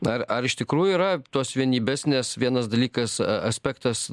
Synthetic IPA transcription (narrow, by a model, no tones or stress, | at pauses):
ɐrɐɾɪʃt̪ʲɪkɾuːjʊiːɾɐt̪oɔsʋʲiɛnʲiːbʲæːsʲnʲesʋʲiɛnɐsd̪ɐlʲiːkɐsɐsʲpʲækt̪ɐs